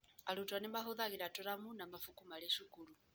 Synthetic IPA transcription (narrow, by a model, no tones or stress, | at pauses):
aɺutʼwanimaɦuðaɣiɺatʼɔɾamunamafukʼumaɺɛʃukʼuɺu